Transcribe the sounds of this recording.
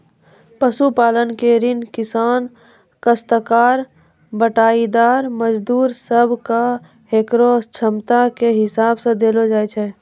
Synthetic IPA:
pəsupaːlənkeɾɪnkɪsaːn | kəst̪əkaːɾ | bəʈaːid̪aːɾməd͡ʒd̪uːɾsəbʱka | ɦekɾost͡ʃʰəmt̪akeɦɪsaːbsə̃d̪eːlod͡ʒaːjt͡ʃʰɛː

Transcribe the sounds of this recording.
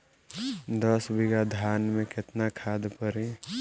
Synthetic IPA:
d̪əsbiɡad̪ʱaːnmẽkɪt̪nakʰaːd̪pəɾi

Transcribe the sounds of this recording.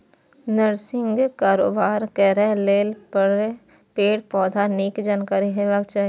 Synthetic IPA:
nəɾsɪ̃ŋɡkaːɾo̰ːbaːɾkɛɾɛ̃leːlpəɽ | peːɽpɔːd̪ʱaniːkd͡ʒankaːɾiɦeʋaːɡt͡ʃaː

